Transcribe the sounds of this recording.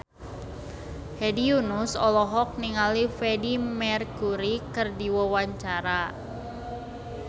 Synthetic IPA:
hɛdiunusɔlɔɦɔk̚niŋalifɛdimɛrkuɾikɨrdiwawaɲt͡ʃaɾa

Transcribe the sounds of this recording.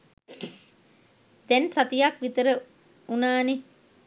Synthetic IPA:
d̪̥ɛnsat̪ijakʋit̪əɾə | unaːne

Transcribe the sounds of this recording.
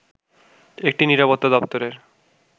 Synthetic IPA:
ek̚ʈiniɾapot̪ːad̪ɔpt̪oɾeɾ

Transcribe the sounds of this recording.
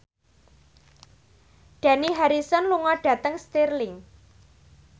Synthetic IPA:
ɖ̥ä̤niɦaɾisɔnluŋɔɖ̥ä̤t̪əŋst̪irlɪŋ

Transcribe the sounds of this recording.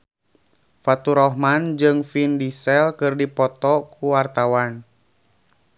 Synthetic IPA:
fat̪uɾɔhmand͡ʒɨŋfindisɛlkɨrdipɔt̪ɔkuwart̪awan

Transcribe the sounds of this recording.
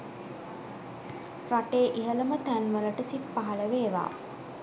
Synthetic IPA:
raʈeːʔiɦələmət̪ænʋələʈəsippːaɦaləʋeːʋa̰ː

